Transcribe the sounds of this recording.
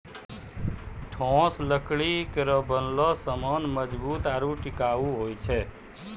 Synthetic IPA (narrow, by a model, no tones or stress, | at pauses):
ʈʰɔ̃sləkɭikəɾəbənlɔsəmɔnməd͡ʒbuːt̪aɾuʈɪkaʋũɦoːjt͡ʃʰe